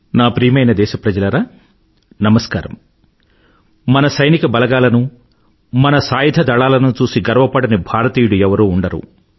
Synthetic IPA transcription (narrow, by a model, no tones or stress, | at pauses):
naːpɾiːmɐjnɐd̪ɛːʃɐpɾɐd͡ʒɐlɐɾaː | nɐmɐskaːɾɐ̰m | mɐnɐsɐjnikɐbɐlɐɡaːlɐnu | mɐnɐsaːjid̪ʱɐd̪ɐɭaːlɐnut͡ʃuːsiɡɐɾʋɐpɐɽɐnibʱaːɾɐt̪iːjuɽuɛʋɐɾuːɳɖɐɾṵ